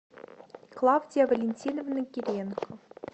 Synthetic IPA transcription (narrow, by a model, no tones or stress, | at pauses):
klˠɑwdʲijavɐlʲenʲtʲinovnɤ̆kʲirʲenkŏ